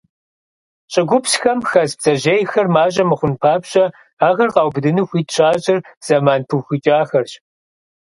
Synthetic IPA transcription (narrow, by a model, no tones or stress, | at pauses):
ɕʼɪɡʷʊpsxɐmxɐzbz̥ɐʑeːjxɐrmaːʑʼɐmɨχʷʊnpʰaːpɕʼɐ | aːɣɐrqɑːwbdɨnɨxʷiːtʰɕʰaːɕʼɪrz̥ɐmaːnpʰɨxʷit͡ʃʼaːxɐrɕ